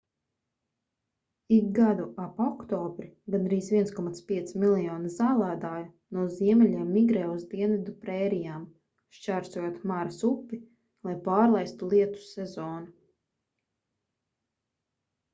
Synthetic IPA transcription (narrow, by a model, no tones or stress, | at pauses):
ik̚ɡad̪uapɔkt̪ɔːbɾiɡand̪ɾiːzvʲiɛnskɔmat̪spʲiɛt̪similˠijɔːnizaːlˠaːd̪aːju | nuɔziɛmɛʎʲiɛmːiɡɾɛːuzd̪iɛnvid̪upɾɛːɾijaːm | ʃt͡ʃaɾsuɔjot̪maɾasupːi | lˠajpaːɾlˠajst̪ulˠiɛt̪u̥sɛzɔːnu